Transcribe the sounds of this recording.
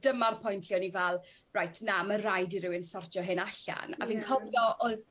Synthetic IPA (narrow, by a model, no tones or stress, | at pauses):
d̥əmarpʰɔjntʰjɔnivɛlˠ | rajtʰnamərajdiɾɪwənsɔrtjɔɦɪnaɬa̰na̰viːnkʰɔvjɔʔoð